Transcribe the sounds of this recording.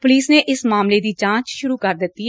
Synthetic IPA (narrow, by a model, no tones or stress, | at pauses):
pʊliːsneːʔɪsmaːmleːd̪iːd͡ʒãːt͡ʃʃʊɾuːkəɾd̪ɪt̪ːi